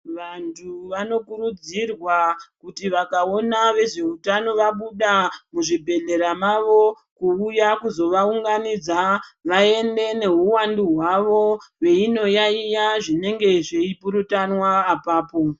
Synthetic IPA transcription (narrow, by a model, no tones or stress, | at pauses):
ʋantʰuʋano̞kuɾud͡zirwakutiʋakao̞naʋe̞ʐe̞utano̞ʋaɓuɗamuʐibʱe̞ɮe̞ɾamaʋo̞ | kuujakuzo̞ʋauŋɡanid͡zaʋae̞nde̞ne̞ɦuwanduɦwaʋo̞we̞ino̞jaijaʐine̞ŋɡe̞ʐeipuɾutanwaːpaːpo̞